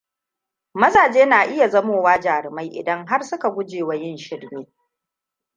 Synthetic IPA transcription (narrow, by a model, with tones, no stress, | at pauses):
mɐ˦zaː˨d͡ʒeː˦naː˨ʔɪ˦ja˨zɐ˦moː˨waː˦d͡ʒaː˨ɾɪ˨ma˦jʔɪ̰˨dɐ˦ŋɦa˦rsʊ˦ka˨ɡʷʊ˦d͡ʒeː˨wa˨˦jɪ˦nʃɪ˦ɽmeː˦